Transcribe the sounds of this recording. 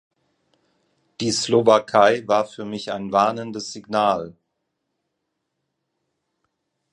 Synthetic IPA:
d̥iːslovakʰaɪvaːɐfyːɐmɪçaɪnvaɐnəndəsz̥iɡnaːl

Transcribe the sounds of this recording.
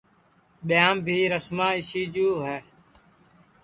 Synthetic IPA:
ɓjãːmbʱiːɾəsmãːɪʃiːd͡ʒuːɦɛː

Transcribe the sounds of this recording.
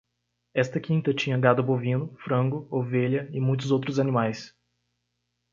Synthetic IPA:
ɛst̪ɐkĩnt̪ɐt͡ʃĩɲɐɡad̪ʊbovĩnʊfɾɐ̃ŋɡʊoveʎɐɪmũj̃t̪̬ʊzowt̪ɾʊzɐnĩmajs

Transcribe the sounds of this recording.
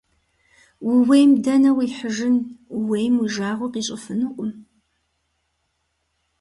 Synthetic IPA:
wʊwejmdɐnɐwiːħəʒɪnwejmwiʒaːʁʷɔqiːɕʼɪfɨnuʔʷʼʊm

